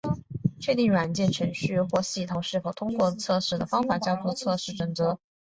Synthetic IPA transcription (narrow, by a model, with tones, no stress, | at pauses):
t͡ɕʰɥɛ˥˧t̪i˥˩ŋɻwa˨˩nt͡ɕjɛ˥˩nʈ͡ʂʰɤ˧˥ŋɕy˥˧xwɔ˥˧ɕi˥˩t̪ʰʊ˨˧˩ʊʂɻ̩˥˩fo˨˩ʊt̪ʰʊ˥ŋkwɔ˥˧t͡sʰɤ˥˧ʂɻ̩˥˩d̪ə˩fɑ˥ŋfa˨˩t͡ɕjɑ˥ʊt̪ʰu˥˧t͡sʰɤ˥˧ʂɻ̩˥˩ʈ͡ʂɤ˨˩ŋt͡sɤ˧˥